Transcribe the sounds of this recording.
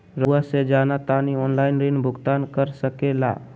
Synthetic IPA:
ɾuwased͡ʒaːnat̪aniɔːnlaːɪnɾinbʱʊɡt̪aːnkəɾsəkela̰

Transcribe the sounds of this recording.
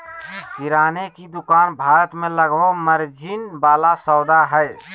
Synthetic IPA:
kɪɾaːnekid̪ʊkaːnbʱaːɾət̪mẽləɡbəməɾd͡ʒinbaːlasɔːd̪aɦɛj

